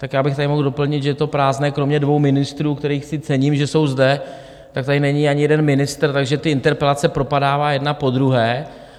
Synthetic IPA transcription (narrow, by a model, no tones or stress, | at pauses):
t̪akjaːbɪxt̪adɪmo̞ɣdo̞pl̩ɲɪt̪ʒɛjɛt̪o̞pɾaːznɛːkɾo̞mɲɛdvo̞wmɪnɪst̪ɾuːkt̪ɛɾiːxsɪt͡sɛɲiːmʒɛso̞wzdɛ | t̪ak̚t̪adɪnɛɲiːaɲɪjɛdɛnmɪnɪst̪r̩t̪aɡʒɛt̪ɪʔɪnt̪ɛɾpɛlat͡sɛpɾo̞padaːvaːjɛdnapo̞d̪ɾuɦɛː